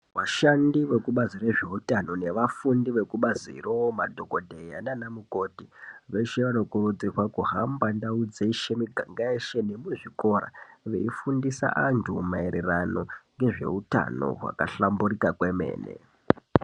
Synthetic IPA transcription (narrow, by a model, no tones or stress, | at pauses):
ʋaʃandiʋe̞kuɓaziɾeʐe̞utano̞ne̞ʋafundiʋe̞kuɓazḭromadʱo̞kodʱe̞ja̰nanamuko̞ːtiʋe̞ʃe̞ʋano̞kurud͡zirwakuɦambandaud͡zeiʃemiɡʱaŋɡaeʃe̞ne̞muʐiko̞ɾa̰ʋeifundisa̰ʔantʰumaeɾerano̞ŋɡe̞ʐe̞̰uta̰no̞̰ɦwa̰kaɬamburikakweme̞̰ːnḛ